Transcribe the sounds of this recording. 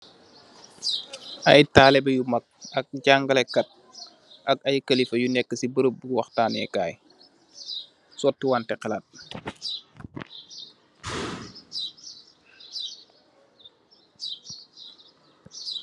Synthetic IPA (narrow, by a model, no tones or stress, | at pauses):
ʔɐjtaːlɛbɛjumɐk̚ɐk̚ɟaŋɡɐlɛkɐt̚ | ʔɐkɐjkɐlifɐjunɛkːəsibəɾəp̚buwɐxtaːnɛ̰kaːj | sɔtːiwaːntɛqɛlat̚